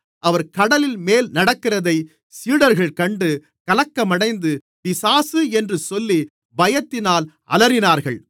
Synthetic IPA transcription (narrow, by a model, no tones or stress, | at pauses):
ɐʋɐɾkɐɽɐlɪlmeːlnɐɽɐkːɪrɐðɐɪ | siːɽɐɾɣɐɭkɐɳɖɯ | kɐlɐkːɐmɐɽɐɪnd̪ɯ | pɪsaːsɯɛndrɯsɔlːi | bɐjɐt̪ːɪnaːl | ɐ̰lɐɾɪnaːɾɣɐɭ